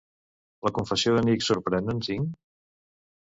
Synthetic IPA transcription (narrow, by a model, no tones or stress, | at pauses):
ləkuɱfəsjoðəniksuɾpɾɛnd̪ənsiŋ